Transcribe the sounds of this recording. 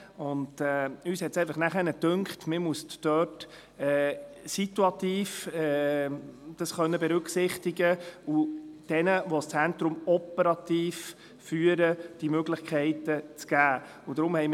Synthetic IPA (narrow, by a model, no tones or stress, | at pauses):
ʊndɛyːshɛtsɛɪfəχnæχɛnədʉŋkχtmɪɾmuəstːœt | ɛːsit̪uɑt̪iːfɛ | d̥ɑsχœnːəbɛɾʏkχsɪχtiɡəud̥ɛnəʋɔst͡sɛnt̪ɾʊmɔpəɾɑt̪iːf | fyːəɾəd̥imøɡlɪχkʰɛɪtət͡sɡ̥æː | ud̥ɾʊmhɛjm